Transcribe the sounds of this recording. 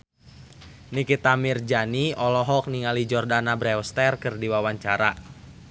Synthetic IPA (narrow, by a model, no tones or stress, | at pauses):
nikit̪amird͡ʒaniɔlɔɦɔk̚niŋalid͡ʒɔrdanabɾɛɔst̪ɛrkɨrdiwawaɲt͡ʃaɾa